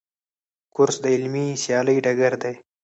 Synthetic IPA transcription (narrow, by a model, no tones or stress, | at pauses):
kʊɾsd̪əɪlmisjɑːləjɖaɡaɾd̪aj